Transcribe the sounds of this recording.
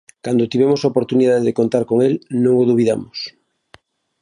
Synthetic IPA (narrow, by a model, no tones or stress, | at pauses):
kand̪ot̪iβ̞emosaopoɾt̪uniðaðeðekont̪aɾkoŋelnõŋoðuβ̞iða̰mos